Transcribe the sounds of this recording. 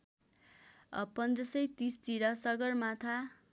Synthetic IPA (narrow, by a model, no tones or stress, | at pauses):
ʌ̰pʌnd̪ɾʌsʌjt̪ist̪iɾʌsʌɡʌrmat̪ʰa